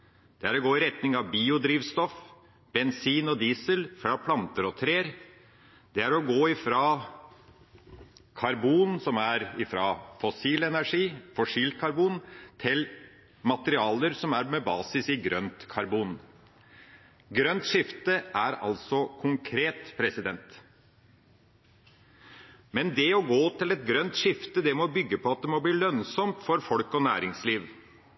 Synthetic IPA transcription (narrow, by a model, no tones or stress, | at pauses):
d̪̥ɛæɾɔɡoːɪɾɛt̪nɪŋɑʋbiːʊd̪ɾiːʋst̪ɔf | b̥ɛnsiːnɔd̪iːsəlfɾɑːpʰlɑnt̪əɾɔt̪ʰɾeːəɾ | d̪̥ɛæɾɔɡoːɪfɾɑ | kʰɑɾbuːnsɔmæɾɪfɾɑfɔsiːlɛnæʂiːfɔʂiːlt̪̚kʰɑɾbuːnt̪ʰɪl | mɑt̪əɾɪɑːləɾsɔmæɾmɛbɑːsɪsɪɡɾœnt̪kʰɑɾbuːn | ɡɾœnt̪ʂɪft̪əʔæɾɑ̰lsɔkʰʊŋkʰɾeːt̪pʰɾɛsɪd̪ɛnt̪ | mɛnd̪ɛɔɡoːt̪ɪlɛt̪̚ɡɾœnt̪ʂɪft̪əd̪ɛmɔbʏɡːəpʰɔɑt̪̚d̪ɛmɔbliːlœnsɔmt̪fɔɾfɔlkɔnæ̰ːɾɪŋsliːʋ